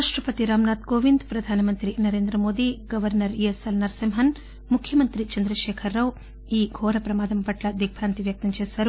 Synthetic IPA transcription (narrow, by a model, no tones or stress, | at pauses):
aːʂʈɾɐpɐt̪iɾaːmnaːt̪koːʋind̪pɾɐd̪ʱaːnɐmɐnt̪ɾinɐɾeːnd̪ɾɐmo̞ːd̪iːɡɐʋɐɾnɐɾiesɐlnɐɾsɐmɦɐn | mukʰːjɐmɐnt̪ɾit͡ʃɐnd̪ɾɐʂɛːkʰɐɾːɐw | iːɡʱɔːɾɐpɾɐmaːd̪ɐmpɐʈlɐd̪ik̚pʰɾaːnt̪iʋjɐk̚t̪ɐmt͡ʃɛːʃaːɾu